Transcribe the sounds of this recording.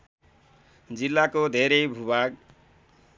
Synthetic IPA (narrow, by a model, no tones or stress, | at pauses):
d͡zilːakod̪ʱeɾʌjbʱubaɡ̚